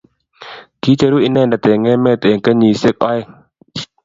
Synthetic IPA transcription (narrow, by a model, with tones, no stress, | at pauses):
t̪ʰiː˧˦t͡ɕa˧˦ɾuː˦ʔi˧˨nɛː˧˨nda˨˩t̪eː˨ŋːɛ˧˨mɛː˧˨t̪e˨ŋka˧˨ɲiː˨˩se˧˨k̚ʔɔ˧˨j